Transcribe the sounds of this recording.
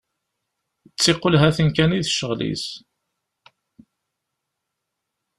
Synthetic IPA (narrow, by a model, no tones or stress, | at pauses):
t͡sːeqːolɦæθənkæniðʃəʁlḭs